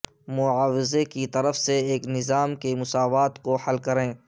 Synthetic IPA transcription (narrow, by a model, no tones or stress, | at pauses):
mʊaːwɪzekit̪ɐɾəfseeːknɪzaːmkemʊsaːʋaːt̪kohɐlkɐɾẽː